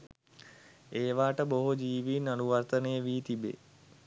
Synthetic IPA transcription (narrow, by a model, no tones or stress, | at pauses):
eːʋaːʈəboɦod͡ʒiːʋiːnanuʋart̪ənejəʋiːt̪ibḛ